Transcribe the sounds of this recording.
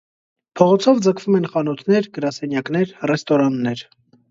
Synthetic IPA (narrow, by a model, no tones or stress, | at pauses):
pʰɔʁɔt͡sʰɔvd͡zəkʰvumɛnχɑnɔt̪ʰnɛɾɡəɾɑsɛnjɑknɛɾrɛst̪ɔɾɑnːɛɾ